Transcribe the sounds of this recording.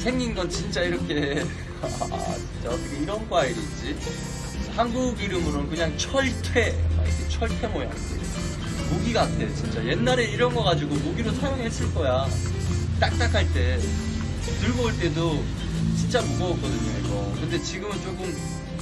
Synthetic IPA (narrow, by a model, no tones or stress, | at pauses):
sʰe̞ŋːinɡʌnt͡ɕint͡ɕ͈aiɾʌkʰe̞ | a̰t͡ɕint͡ɕ͈akɯɡʰeiɾʌnɡoaidɯd͡ʑ͈i | hanɡuɡiɾɯmɯɾonkɯɲaŋt͡ɕʰʌɭtʰwe̞̰ma̰ḭkʰet͡ɕʰʌɭtʰwe̞moja̰ | moɡiɡaːtʰe̞ot͡ɕint͡ɕ͈aje̞nːaɾe̞iɾʌnɡʌɣad͡ʑiɡomoɡiɾosʰajoŋɦes͈ɯɭk͈ʌja | t͈ak̚t͈akʰaɭt͈e̞ | tɯɭɡʌuɭt͈e̞do | t͡ɕint͡ɕ͈amukʌʌk͈ʌdɯɲoesʌkɯnde̞t͡ɕiɡɯmɯnt͡ɕ͈ok͈ɯm